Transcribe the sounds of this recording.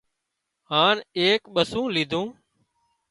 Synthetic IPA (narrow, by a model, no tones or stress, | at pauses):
ɦaːneːkɓəsũːliːd̪ʱũː